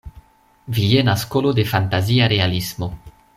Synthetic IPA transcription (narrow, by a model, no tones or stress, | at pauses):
vijenaskolode̞fantaziaɾe̞alismo